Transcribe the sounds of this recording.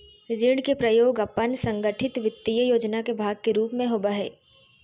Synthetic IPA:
d͡ʒɪɽkepɾɐjoːɡɐpːənsɐ̃ŋɡəʈʰɪt̪ʋɪt̪ːijəjoːd͡ʒnakebʱaːɡ̚keɾuːpmẽɦoːbaɦɛ̰ː

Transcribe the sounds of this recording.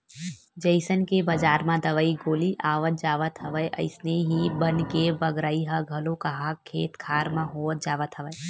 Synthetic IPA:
d͡ʒəɪsənkebəd͡ʒaːɾmãd̪ɐʋəːiɡoːliʔaːʋət̪̚d͡ʒaːʋət̪ɦəʋəjʔɐ̰ɪsneɦibənkebɐɡɾaːiɦəɡʱɐlõkɐɦakʰeːt̪kʰaːɾmãɦoːət̪̚d͡ʒaːʋət̪ɦəʋəj

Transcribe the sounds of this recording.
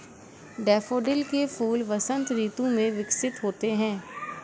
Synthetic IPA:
ɖɛːfoːɖɪlkefuːlʋɐsə̃nt̪ɾiːt̪õmẽʋɪksɪt̪ɦoːt̪eɦɛ̃ː

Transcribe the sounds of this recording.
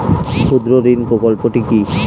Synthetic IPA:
ʃud̪ɾoɾinpɾokolpoʈiki

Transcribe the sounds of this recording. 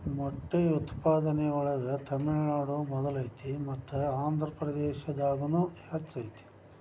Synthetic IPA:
mɔʈːeut̪paːd̪ɐnɛɡoɭɐd̪ɐt̪ʰɐmiɭnaːɽumɔd̪ɐlɐjt̪imɐt̪ːuaːnd̪ʱɾɐpɾɐd̪ɛːʃɐd̪aːɡɐnuːhɐt͡ʃːɐjt̪i̥

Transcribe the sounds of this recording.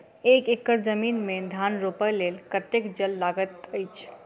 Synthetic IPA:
ekekːəɾd͡ʒəminmed̪ʱanɾopəlelkət̪ekd͡ʒəlːaɡət̪əjt͡ʃʰ

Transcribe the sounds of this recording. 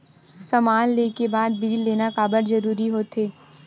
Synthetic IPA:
sɐmaːnleːkebaːd̪̚biːlːeːnakaːbəɾzɐɾuːɾiɦoːt̪ʰeː

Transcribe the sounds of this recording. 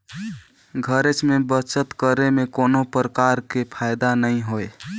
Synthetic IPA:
ɡʱəɾet͡ʃmebət͡ʃət̪kəɾemekonopɾəkaɾkepʰajd̪anəĩɦoe

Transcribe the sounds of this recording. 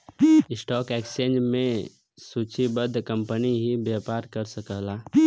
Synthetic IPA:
ɪsʈɔːkeːkst͡ʃẽːd͡ʒmẽ | suːt͡ʃʰibəd̪ʱkə̃mpəniɦibjaːpaːɾkəɾsəkəlaː

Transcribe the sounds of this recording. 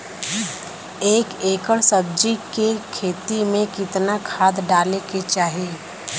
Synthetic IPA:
eːkeːkəɽsəb̚d͡ʒikekʰeːt̪imẽkɪt̪nakʰaːd̪ɖaːleket͡ʃaːɦieː

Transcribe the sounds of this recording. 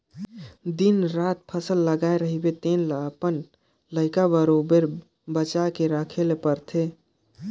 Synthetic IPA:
d̪inɾat̪̚pʰəsəlːəɡaeɾəɦibet̪enlaəpən | ləɪkabəɾobəɾ | bət͡ʃakeɾəkʰelepəɾt̪ʰe

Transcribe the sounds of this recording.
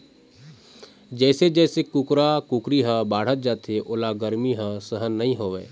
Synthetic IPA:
d͡ʒɛːsed͡ʒɛːsekʊkɾakʊkɾiɦə̃baːɽ̤ət̪̚d͡ʒaːt̪ʰeʔʊːlaɡəɾmiɦə̃səɦənːəɦĩɦoːʋeː

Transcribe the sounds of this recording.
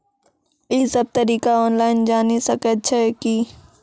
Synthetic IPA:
ɪsɐb̚t̪ɐɾiːkaɔːnlaːɪnd͡ʒaːnisɐkət̪̚t͡ʃʰɛki

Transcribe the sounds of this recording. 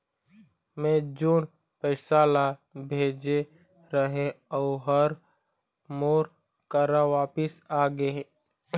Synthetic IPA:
mẽd͡ʒoːn | pɛɪsaːlabʱeːd͡ʒe | ɾəɦẽɔːɦəɾ | moːɾ | kəɾaʋaːpɪsaːɡe

